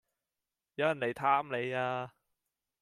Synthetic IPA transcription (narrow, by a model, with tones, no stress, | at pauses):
jɐ˨˧wjɐ˨˩nle˨˩jt̪ʰaː˥mle˨˧jaː˧